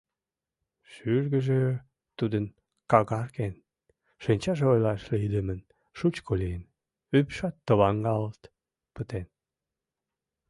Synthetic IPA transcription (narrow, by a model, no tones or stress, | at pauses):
ʃyrɣəʒe | t̪ud̪ən | kɑɣɑrken | ʃənʲt͡ɕɑʒeojlɑʃliid̪əmən | ʃut͡ɕkʰoliən | ypʃɑt̪ːəβɑŋɡɑlət̪ | pət̪en